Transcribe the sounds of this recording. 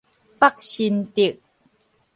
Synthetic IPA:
pa˦˨k̚ɕi˧˨nti˥˩˨k̚

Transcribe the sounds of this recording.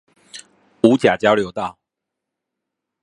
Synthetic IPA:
u˨˦t͡ɕja˨˩t͡ɕjɑ˥ʊljo˨˥ʊt̪ɑ˥˨ʊ

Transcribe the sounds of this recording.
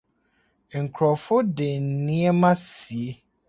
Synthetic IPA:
ŋ̩˨kʰɾɔ˨fʊ˦dɪ˨n̩˨nĩ˦ɛ˦mã˦si˨e˦

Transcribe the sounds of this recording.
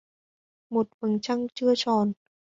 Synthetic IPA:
mo˨˩t̚fa˨˧˩ŋt͡ɕʰa˧˥˨ŋt͡ɕɯ˥˩ət͡ɕɔː˧˩n

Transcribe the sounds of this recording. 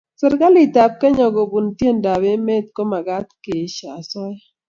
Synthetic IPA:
sɪ˨ɾɡa˦lɪ˨ta˨p̚kɛ˦ɲɔ˨ɡo˨bu˨ntje˦˨nda˨be˦me˦t̪̚ko˦ma˨ɡa˦tke˨ʃa˨sɔ˦j

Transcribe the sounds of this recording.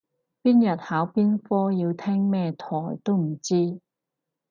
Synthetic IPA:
piː˥njɐ˨t̚haː˨˥wpiː˥nfɔː˥jiː˧wt̪ʰɛː˥ŋmɛː˥t̪ʰɔː˨˩jt̪o˥wm̩˨˩t͡siː˥

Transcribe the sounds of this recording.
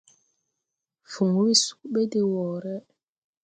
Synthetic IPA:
fu˨ŋ˨˦wi˦su̥˦k̚ɓe˦di˨wɔ˨ɾɛ˦

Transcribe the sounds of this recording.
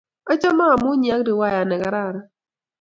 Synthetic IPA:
a˦t͡ʃɔ˦maː˦˨mʊ˦ɲi˨a˦kɾi˨wa˦ja˨nɛ˨ka˨ɾa˦˨ɾa˦

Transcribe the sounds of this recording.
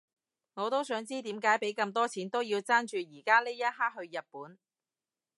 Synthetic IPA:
ŋɔː˨˧t̪o˥wsœː˨˥ŋt͡siː˥t̪iː˨˥mkaː˨˥jpe˨˥jkɐ˧mt̪ɔː˥t͡sʰiː˨˥nt̪o˥wjiː˧wt͡saː˥nt͡ʃyː˨jiː˨˩kaː˥leː˥jɐ˥t̚ɦaː˥k̚ɦɵ˧ɥjɐ˨t̚puː˨˥n

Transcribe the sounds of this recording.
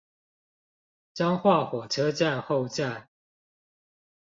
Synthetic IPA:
ʈ͡ʂɑ˦ŋxwa˥˨xwɔ˨˩ʈ͡ʂʰɤ˦t͡sa˥˨nxo˥˨ʊʈ͡ʂa˥˨n

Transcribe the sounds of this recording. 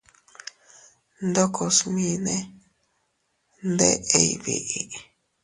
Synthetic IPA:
nd̪o˦kʰo˧smĩ˧nẽ˦ | nd̪e˦ʔe˧i˧βḭ˨ʔi˨

